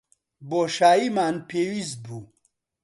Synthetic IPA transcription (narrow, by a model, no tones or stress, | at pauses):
boʃaːjimaːnpʰeːwist̪̚bu